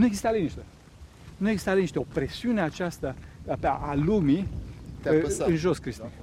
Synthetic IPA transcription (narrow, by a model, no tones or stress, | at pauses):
nueɡzist̪alejniʃt̪e | nueɡzist̪aleniʃt̪eo̞pɾe̞siuneat͡ʃast̪əpaʔalumi | ɨnʒo̞skɾist̪in